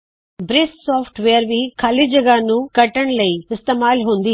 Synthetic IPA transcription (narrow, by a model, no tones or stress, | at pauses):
bɾesʈsaːpʰʈʋeːɐɾʋikʰaːlid͡ʒɐɡanukɐʈːɐɳlɐjist̪emaːlɦoːnd̪i